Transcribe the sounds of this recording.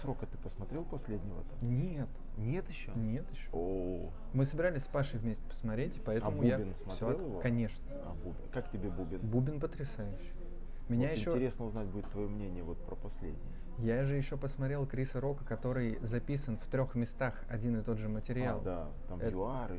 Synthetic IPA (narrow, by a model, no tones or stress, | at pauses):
sɾokət̪ɨ̥pəsmɐt̪ɾʲelˠpɐsʲlʲedʲnʲɪvə̰t̪ɐnʲet̪ | nʲet̪ɪɕːonʲe̞t̪ɪɕːo | mɨsəbʲɪɾalʲɪsʲspaʂɨjvʲmʲesʲtʲɪ̥pə̥smɐt̪ɾʲetʲɪ̥pɐɛt̪əəmʊjabʲɪnsmɐfɐsʲɾoelˠɪvokɐnʲe̞ʂnəɐbubʲɪkaktʲɪbʲebubʲɪnbubʲɪnpət̪ɾʲɪsajʉɕːɪj | mʲɪnʲajɪɪɕʲnːotʲɪɾʲesnəʊznatʲbudʲɪt̪ːvɐjomnʲenʲɪjəvo̞t̪̚pɾəpɐsʲlʲḛdʲnʲɪjə | jaʐɨjɪɕːo̞pəsmɐt̪ɾʲe̞lˠkɾʲisəɾo̞kəkɐt̪o̞ɾɨjzɐpʲisənft̪ɾʲo̞xmʲɪst̪axɐ̰dʲinɨt̪o̞d̪ʐɨmətʲɪɾʲɪaa̰lˠd̪a | t̪amɛjʊarɨ